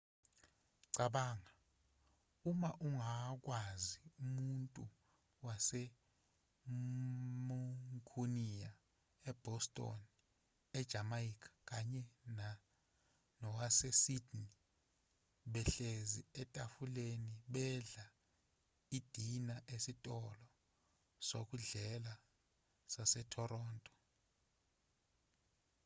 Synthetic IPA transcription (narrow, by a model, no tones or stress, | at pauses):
ǀaɓaːŋa | umaʔuŋak̬ʼwaziumuntʼu | wasɛ | muŋkʰunija | ɛb̥ʱɔstʼɔ̰n | ɛd̥ʒ̥ʱamaikʰḁk̬aɲɛna | nɔwasɛsidni | ɓɛɬeziɛtʼafuleniɓɛɮa | id̥ʱinaʔesitʼɔlɔ | sok̬ʼuɮɛla | sasɛtʰɔrɔːntʼɔ̥